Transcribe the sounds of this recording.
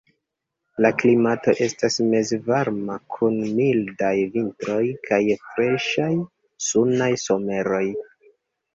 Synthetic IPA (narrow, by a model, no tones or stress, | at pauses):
laklimato̞ʔe̞stasme̞zvaɾmakʰunmildajvintɾo̞jkʰajfɾe̞ʃaj | sunajso̞me̞ɾo̞j